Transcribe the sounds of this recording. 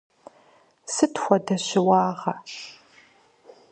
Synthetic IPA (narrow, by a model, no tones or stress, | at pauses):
sɨtʰxʷɐdɐɕɪwɑːʁɐ